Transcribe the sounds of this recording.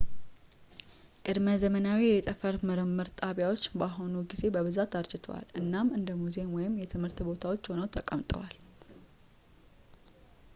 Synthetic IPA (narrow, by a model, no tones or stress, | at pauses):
kʼɨd̪məzəmənawijɛt̪ʼəfəɾməɾəmːəɾt̪ʼaβjawo̞t͡ʃːbaɦo̞nuɡize̞bəβɨzat̪aɾt͡ʃɪt̪ʰəwa̰lʔɨnːamɨnd̪əmuze̞mwɔjɪmjɛt̪ʰɨmhɨɾt̪bo̞t̪ʰawo̞t͡ʃːho̞nəwt̪ʰəkʼəmt̪ʼə̰wal